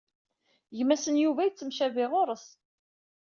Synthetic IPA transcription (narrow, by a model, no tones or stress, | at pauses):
ʝəmːæsənjuvæjt͡sːəmʃævɪʁʊɾˤəs